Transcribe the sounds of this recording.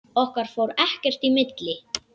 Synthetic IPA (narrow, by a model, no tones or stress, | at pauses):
ɔhkaɾ̥foːwɾɛhcɛr̥t̪imɪt̪lɪ